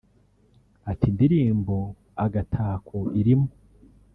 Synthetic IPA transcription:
atindiɾiːmbo | aɡatʰaːkʰoiɾimo

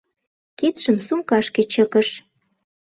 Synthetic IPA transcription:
ket̪ʃəmsuŋkɑʃket͡ɕəkəʃ

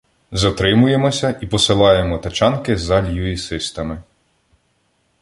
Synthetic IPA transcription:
zɐt̪ɾɪmʊje̞mɔsʲɐʔipɔsɪlˠɑjemɔt̪ɐt͡ʃɑnkɪzɑlʲjuisɪst̪ɐmɪ

